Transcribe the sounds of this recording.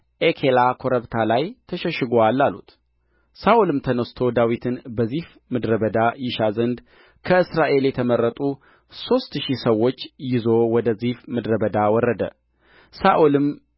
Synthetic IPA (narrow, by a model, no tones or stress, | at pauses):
ʔekʰelakʰo̞ɾəβt̪ʰalajt̪ʰəʃəʃɪɡoalːalṵt̪ | saʔulɨmt̪ʰənəst̪ʰod̪awit̪ʰɨnbəzihf | mɨd̪ɾəbəd̪ajɪʃazənd̪ | kʰəɨsɾaʔe̞ljɛt̪ʰəməɾːət̪ʼu | so̞st̪ʃisəwːo̞t͡ʃːjɪzo̞wɔd̪əzifmɨd̪ɾəbəd̪awɔrːəd̪ə̰ | saʔulɨm